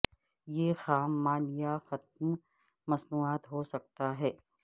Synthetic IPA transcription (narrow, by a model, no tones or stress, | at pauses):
jeːxaːmːaːnijaxɐt̪̚m | mɐsnuːaːt̪ɦoːsɐk̚t̪aɦɛː